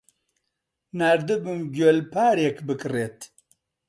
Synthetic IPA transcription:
naːɾd̪ɨbɨmɡolpʰaːɾekbɨkɨreːt̪

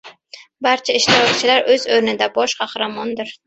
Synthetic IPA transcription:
baɾt͡ʃʰaɪʃt̪ʰɪɾɒkt͡ʃʰɪlaɾɵzɵɾnɪd̪abɒʃqʰɑhɾamɒnd̪ɪɾ

